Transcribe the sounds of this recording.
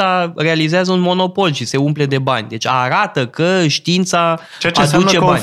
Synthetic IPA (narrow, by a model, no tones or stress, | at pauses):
aɾe̞alizeazəunmo̞no̞po̞lʃise̞umple̞d̪e̞ba̰nʲd̪e̞t͡ʃʲaɾat̪əkəʃt̪iint̪sa | t͡ʃat͡ʃdsut͡ʃeban